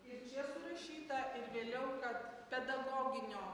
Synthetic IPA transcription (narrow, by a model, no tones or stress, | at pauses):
ɪɾt͡ʃʲiɛsʊɾɐʃʲiːt̪ɐɪɾʋʲeːlʲɛʊkɐt̪pʲɛd̪ɐɡoːɡʲɪnʲoː